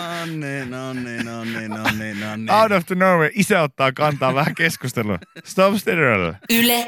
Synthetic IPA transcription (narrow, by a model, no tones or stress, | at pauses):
onːinonːinnːinːɑwɾofd̪ənoːweʔisæot̪ːɑːkɑnt̪ɑːʋʋæhækeskust̪elṵst̪opst̪eɾɹɑ̰l̰ːyle